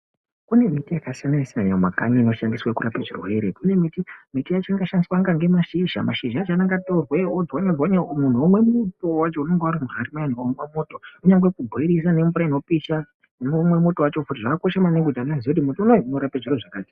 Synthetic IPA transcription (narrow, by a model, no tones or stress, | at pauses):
kune̞mitijakasanajisiaɲamakaɲiːno̞ʃandiswakuɾapaʐḭrwe̞ɾekune̞mitimitijat͡ʃiŋɡaʃandiswaŋɡaŋɡe̞maʃiʒa̰ma̰ʃiʒat͡ʃanaŋɡatorweod͡zwaɲad͡zwaɲamun̤uomwe̞muto̞wat͡ʃo̞une̞ŋɡewaɾimuɦarimajanomamoto̞uɲaŋɡwekubʱoiɾis̬ane̞mfuɾaino̞piʃa | unomwe̞moto̞wat͡ʃo̞futiʐakako̞ʃamaneŋɡud͡ʒanaziokut̬imotounounoɾapeʐirweʐakaːti̥